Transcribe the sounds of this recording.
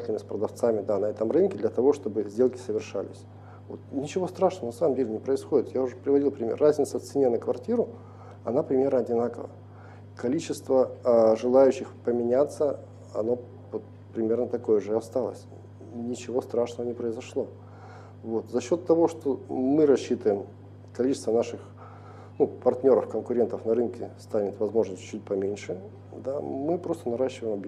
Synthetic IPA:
tʲɪlʲɪmɪsʲpɾəd̪ɐft̪samʲɪd̪anɐɛt̪əmrɨnkʲɪd̪lʲɐt̪ɐvo̞ʂt̪o̞bɨzʲdʲelˠkʲɪsəvʲɪrʂa̰lʲɪ̰sʲ | vo̞̰t̪nʲɪt͡ɕɪvo̞st̪ɾaʂnəvənɐsaməmdʲelʲɪnʲɪpɾəɪsxo̞dʲɪt̪jaʊʐɛpɾʲɪvɐdʲilˠpɾʲɪmʲḛrːazʲnʲɪt̪sət̪sɨnʲenəkvɐrtʲiɾʊ | ɐ̰napɾʲɪmʲe̞rnəɐdʲɪnakəvə̰ | kɐlʲit͡ɕɪst̪vəʐɨlˠajʉɕːɪxpəmʲɪnʲat̪sə | ɐ̰no̞ | vot̪̚ | pɾʲɪmʲe̞rnət̪ɐko̞jəʐɨɐst̪alˠə̰sʲ | nʲɪt͡ɕɪvo̞st̪ɾaʂnəvənʲɪpɾəɪzɐʂlˠo̞ | vo̞t̪zɐɕːo̞t̪ːɐvo̞ʂt̪o̞mɨɾɐɕːit̪əjɪm | kɐlʲit͡ɕɪst̪vənaʂɨx | nupɐrt̪ʲnʲo̞ɾəfkənkʊɾʲe̞nt̪əfnɐɾɨnkʲɪst̪anʲɪt̪vɐzmo̞ʐnəsʲtʲt͡ɕːut̚ʲpɐmʲenʲʂɨ | d̪amɨpɾo̞st̪ənɐɾaɕːɪvəjɪmɐb

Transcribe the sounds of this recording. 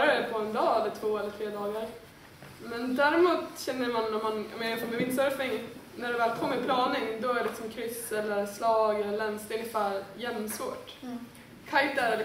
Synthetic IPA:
ɾapʰɔɛnd̪ɑːɛlːəʈ̪ʰvoːɛlːəʈ̪ʰɾeːd̪ɑːɡaɾ | mɛnd̪æɾɪmuːt̪ɕɛnːəɾmanɔmːanjɑ̰mɛːnafɔːmɛvɪnsɔɾfɪŋnæɖɛvæːlʰɔːmɛpʰlɑːnɪŋd̪ɔæɾɛlɪksɔmkʰɾʏsɛlːəɾslɑːɡɛlːəɭɛnsd̪ɛʏnɪɪfæːɾjɛnːsvoːʈ | kʰajt̪æɾɛ

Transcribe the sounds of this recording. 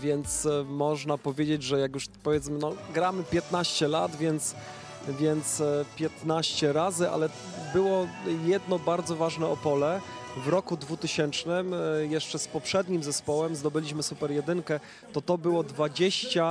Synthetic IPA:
vʲjɛnt̪smɔʐnapɔvʲjed͡ʑed͡ʑʐɛjakjuʂpɔvʲjɛt̪smɘnɔɡɾamɘpʲjɛt̪naɕt͡ɕɛlad̪vʲjɛnt̪s | vʲjɛnt̪spʲjɛt̪naɕt͡ɕɛɾazɘʔa̰lɛ | bɘwɔjɛd̪nɔbaɾd̪zɔvaʐnɛɔpɔlɛvɾɔkud̪vut̪ɘɕɛnt͡ʂnɘmjɛʂt͡ʂɛspɔpʂɛd̪ɲimzɛspɔwɛmzd̪ɔbɘlʲiɕmɘsupɛɾjɛd̪ɘŋkɛ | t̪ɔt̪ɔbɘwɔd̪vad͡ʑeɕt͡ɕa

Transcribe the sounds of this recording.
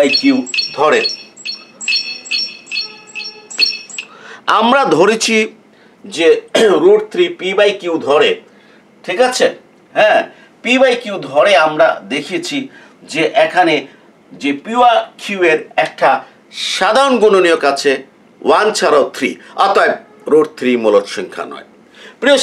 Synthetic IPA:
jkiwd̪ʱɔɾe | amɾad̪ʱoɾit͡ɕʰi | d͡ʑeɾuɽt̪ʰɾipibajkiwd̪ʱɔɽe | ʈʰikat͡ɕʰe | ɦɛ̃ | pibajkiwd̪ʱɔɽeamɾa̰d̪ekʰit͡ɕʰi | d͡ʑeʔɛkʰane | d͡ʑepiwakʰieɾɛk̚ʈa | ʃad̪ʱaɾonɡononiokat͡ɕʰe | want͡ɕʰaɾat̪ʰɾḭat̪oae | ɾuɽt̪ʰɾimolot̪ʃiŋkʰa̰nɔ̰e | pɾio

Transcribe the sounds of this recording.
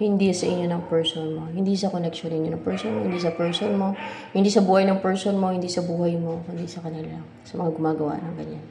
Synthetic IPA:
hɪnd̪isɐʔɪɲonɐŋpɛɹsonmo̞hɪnd̪isɐkonɛkʃonːɪnɲːonɐŋpɛɹsonmohɪnd̪isɐpɛɹsonmo̞ | hɪnd̪iːsɐbuːhɐjnɐŋpɛɹsonmo̞hɪnd̪isɐbuːhɐjmo̞hɪnd̪isɐkɐnɪla | sɐmɐŋaɡʊmaːɡɐwa̰ʔnɐŋɡɐɲan

